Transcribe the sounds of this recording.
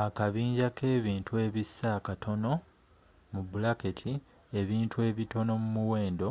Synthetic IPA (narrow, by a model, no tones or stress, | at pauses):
akaβiːɲɟake̞ːβiːntue̞ːβisːakatʰo̞no̞ | mubulaketʰi | e̞βiːntʰue̞ːβito̞no̞mumuwe̞ːndo̞